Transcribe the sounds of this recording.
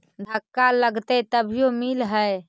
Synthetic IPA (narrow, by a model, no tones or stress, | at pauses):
d̪ʱəkːaləɡt̪ət̪əbʱijomilɦə